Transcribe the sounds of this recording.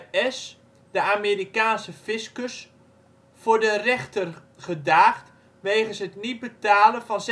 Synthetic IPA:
ɛs | dəameɾikaːnsəfɪskəs | fʊːɹdərɛχtər | χədaːχt | ʋeːχənsɦətnit̚bətaːlənvɔns

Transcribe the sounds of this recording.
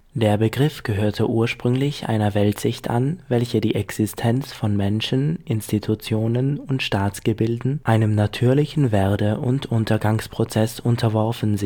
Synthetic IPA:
d̥eːɐbəɡʁɪfɡ̥əɦøːɐtʰəʔuːɐʃpʁ̥ʏŋlɪçʔa̰ɪnɐvɛltz̥ɪçtʔa̰nvɛlçədiːʔɛksɪstʰɛnt͡sfɔnmɛnʃn̩ʔɪnstitʰut͡sjoːnənʊntʃtaːt͡sɡ̥əbɪldn̩ʔaɪnəmnatʰyːɐlɪçn̩veɐdəʔʊntʔʊntɐɡaŋspʁ̥ot͡sɛsʊntʰɐvɔɐfn̩z

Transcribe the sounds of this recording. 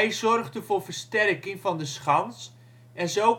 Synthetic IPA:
jzɔrχdəvʊːrvərstɛrkɪŋvɑndəsχɑns | ɛnzow

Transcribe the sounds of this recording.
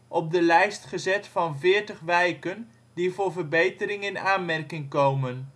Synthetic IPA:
ʔɔp̚dəlɛjstχəzɛtfɑnvɪːɹtəχʋɛjkən | divʊːɹvərbejtəɾɪŋɪnaːnmɛrkɪŋkowmən

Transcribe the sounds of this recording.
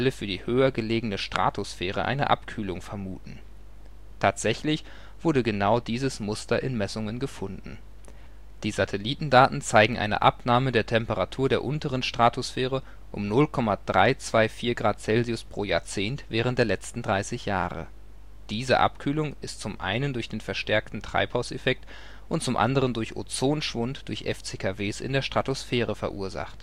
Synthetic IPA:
ʔaləfyːɐdiːhøːɐɡəleːɡənəʃtʁ̥a̰ːtʰʊsfɛːʁə̰ʔa̰ɪnə̰ʔa̰pkʰyːlʊŋfɛɐmuːtn̩ | tʰaːtz̥ɛçlɪç | v̥ʊɐɾəɡənaʊdiːzəsmʊstɐʔɪnmɛsʊŋənɡəfʊndn̩ | d̥iːzatʰɛliːtn̩daːtn̩t͡saɪɡŋ̩ʔa̰ɪnə̰ʔa̰pnaːmədeːɐtʰɛmpəʁatʰuːɐdeːɐʔʊntəʁənʃtʁ̥aːtʰʊsfɛːʁə | ʔʊ̰mnʊlkʰɔmad̥ʁa̰ɪt͡sv̥aɪfiːɐɡʁaːt̚t͡sɛlziʊspʁ̥oːja̰ːɐt͡seːntv̥ɛːʁənt̚d̥eːɐlɛt͡stn̩dʁaɪsɪçja̰ːʁə̰ | d̥iːzə̰ʔa̰pkʰyːlʊŋɪstt͡sʊmʔa̰ɪnəndʊɐçd̥eːnfɛɐʃtɛɐktn̩tʁ̥a̰ɪphaʊsefɛk̚t | ʔʊnt̚t͡sʊmʔa̰ndəʁəndʊɐçʔo̰t͡soːnʃv̥ʊntd̥ʊɐçʔɛ̰ft͡seːkʰaveːsʔɪ̰ndeːɐʃtʁ̥atosfɛːʁəfɛɐʔuːɐza̰χt

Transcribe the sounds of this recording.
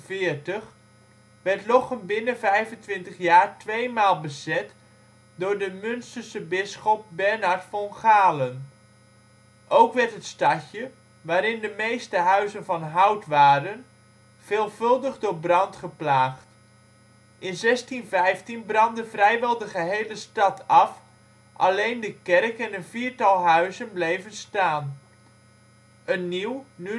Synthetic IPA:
vɪːɹtəχ | ʋɛɹtlɔχənbɪnənvɛjvəntʋɪntəχjaːɹtʋejmaːlˠbəzɛt | dʊːɹdəmɵnstərsəbɪsχɔp̚bɛɹnɑɹtfɔnχaːlən | ʔowkʋɛɹtɦətstɑcə | ʋaːɾɪndəmejstəɦœɥzənvɑnɦʌwtʋaːɾən | v̥ɪːlˠv̥ɵlˠdəχdʊːɹbrɑntχəplaːχt | ʔɪnzɛstinvɛjftinbrɑndəvrɛjʋɛlˠdəχəɦejləstɑtʰɑf | ʔɑ̰lejndəkɛrkɛnənviːɹtɑlˠɦœɥzənblejvənstaːn | ənːiwny

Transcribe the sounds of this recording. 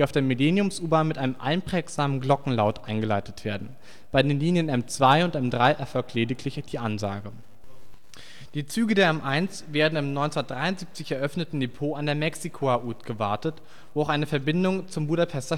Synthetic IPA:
d̥iaʊfd̥eːɐmeleːnjʊmsʔuːbaːnmɪtʔaɪnəmʔa̰ɪnpʁ̥ɛːkz̥aːmənɡlɔkŋ̩laʊtʔaɪnɡəlaɪtətv̥eːɐdn̩ | b̥aɪdeːnliːnjənʔɛmt͡sv̥aɪʊntʔɛmdʁaɪʔɛɐfɔlk̚tʰleːdɪkʰlɪçd̥iːʔanza̰ːɡə | d̥iːt͡syːɡədeːɐɛmʔaɪnsv̥eːɐdn̩ɪmnɔʏnt͡sndɐtd̥ʁaɪʊntziːp̚t͡sɪçɛɐʔœfnətn̩depʰoːandeːɐmɛksikʰoaʔuːtɡ̥əvaɐtət | voːaʊxʔaɪnəfɛɐbɪndʊŋt͡sʊmbuːɾapʰɛstɐ

